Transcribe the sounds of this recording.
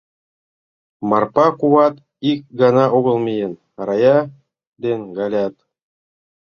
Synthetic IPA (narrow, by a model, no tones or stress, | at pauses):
mɑrpɑquɑt̪ | ik̚ɡɑnɑʔoɣɤ̆lˠmʲijɘn | ɑɾɑjɑ | d̪ʲenɡalʲat̪